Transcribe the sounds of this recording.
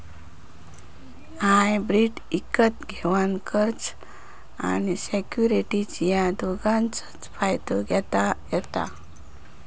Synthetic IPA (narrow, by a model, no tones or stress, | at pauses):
ɦajbɾiʈ | ikət̪ɡʱɛʋankəɾt͡ɕ | a̰nisɛkjuɾiʈit͡ɕjad̪ʱoɡãnt͡sə̥t͡sfʰajd̪oɡɛt̪ajɛt̪a̰